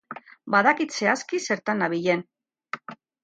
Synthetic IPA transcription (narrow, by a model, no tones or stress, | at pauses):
baðakit̪se̞askise̞ɾt̪anaβiʎe̞n